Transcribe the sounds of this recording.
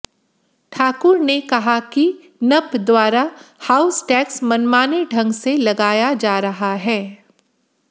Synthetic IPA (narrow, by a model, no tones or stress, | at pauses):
ʈʰaːkʊɾnekɐɦaki | nɐpd̪waːɾahaːʊsʈɛːksmɐnmaːneɖʱɐ̃ŋɡselɐɡaːjad͡ʒaːɾɐɦaɦɛː